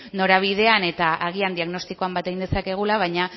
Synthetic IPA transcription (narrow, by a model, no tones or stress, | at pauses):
no̞ɾaβ̞ið̞e̞ane̞t̪aʔaɣ̞iand̪iaɣno̞st̪iko̞ambat̪e̞ɣind̪e̞sake̞ɣ̞ulaβ̞ajɲa